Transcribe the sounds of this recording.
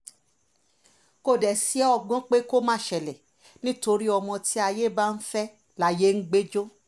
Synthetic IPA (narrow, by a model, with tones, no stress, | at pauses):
ko˦˨dɛ˨si˨˦ɛ˦ɔ˧˨ɡ͡bɔ̃˦k͡pe˦ko˦mãː˦˨ʃɛ˨lɛ˨ | nĩ˦to˧ɾi˦ɔ˧mɔ̃˧ti˦a˧je˦ba˦˧n̩˦fɛ˦ | la˦je˦n̩˦ɡ͡be˦d͡ʒo˦